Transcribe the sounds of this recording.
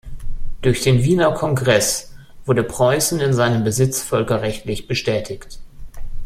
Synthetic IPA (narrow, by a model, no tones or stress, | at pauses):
d̥ʊɐçd̥eːnviːnɐkʰɔŋɡʁɛs | v̥ʊɐɾəpʁ̥ɔʏsn̩ɪnzaɪnəmbəzɪt͡sfœlkɐʁɛçtlɪçb̥əʃtɛːtʰɪçt